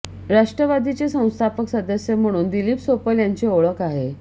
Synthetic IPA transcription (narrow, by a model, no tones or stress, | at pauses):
ɾaʂʈɾəʋad̪ʱit͡ɕesə̃w̃st̪ʰapəksəd̪əsjəm̤əɽ̃uːnd̪iliːpsopəljaɲt͡ɕeoɭəkaɦe